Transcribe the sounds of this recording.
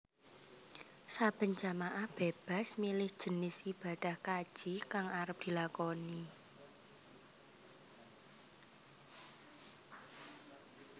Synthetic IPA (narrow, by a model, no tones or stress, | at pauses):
sab̥ə̤nd͡ʒa̤maʔahb̥eb̥a̤smilɪhd̥ʒ̥ə̤nɪsib̥a̤d̪̥a̤hkad̥ʒ̥ikaŋaɾəp̚d̪̥i̤lakɔni